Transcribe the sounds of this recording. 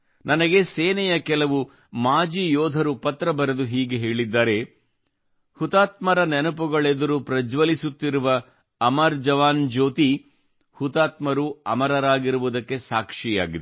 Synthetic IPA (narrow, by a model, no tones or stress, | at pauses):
nʔɐnɐɡe̞seːnɛjɐkɛlɐʋu | maːd͡ʒiːjɔːd̪ʱɐɾupɐt̪ɾɐbɐɾed̪uɦiːɡeɦeːɭid̪ːaːɾe̞ | hut̪aːt̪mɐɾɐnɛnupuɡɐɭed̪ɐɾupɾɐd͡ʒʋɐlisut̪ːiɾuʋɐː | mɐɾd͡ʒɐʋaːnd͡ʒo̞ːt̪i | hut̪aːt̪mɐɾuɐmɐɾɐɾaːɡiɾuʋud̪ɐkːe̞saːkʂija̰ːɡid̪